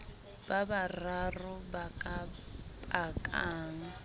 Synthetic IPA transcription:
b̥abararʊbakʼabakʼaːŋ̩

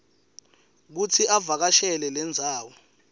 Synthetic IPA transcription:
k̬ut͡sʰiʔavak̬aʃɛlɛlɛnd͡zʱaːwɔ

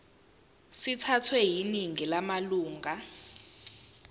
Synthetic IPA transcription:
sitʰatʰwɛɦiniŋilamaluːŋɡʱa

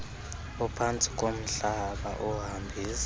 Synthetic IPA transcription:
upʰant͡sʼi̥kʼom̩ɬaɓa̰ʔuɦambʱiːsḁ

